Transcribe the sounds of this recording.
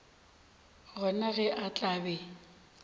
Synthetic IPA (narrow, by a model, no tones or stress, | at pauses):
ɣɔnaɣɛʔat͡ɬʼaːbɛ